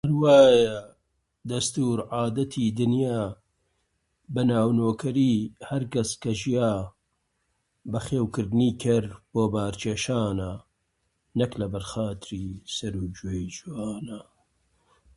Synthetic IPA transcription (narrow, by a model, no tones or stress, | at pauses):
hɐɾwaːjɐ | d̪ɐst̪uːɾʕaːd̪ɐt̪ʰiːd̪ɨnjaː | bɐnaːwnoːkʰɐɾiːhɐɾkɐskɐʒijaː | bɐxeːwkɨɾd̪ɨniːkʰɐɾb̥oːbaːɾt͡ʃʰeːʃaːnɐ | nɐklɐbɐɾxaːt̪ɨɾiːsɐɾuːd͡ʒejd͡ʒuwaːnɐ